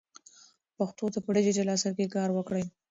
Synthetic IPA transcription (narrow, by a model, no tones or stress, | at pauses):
paxt̪ot̪apəɖed͡ʒed͡ʒelɑsaɾkekɑɾwəkɽəj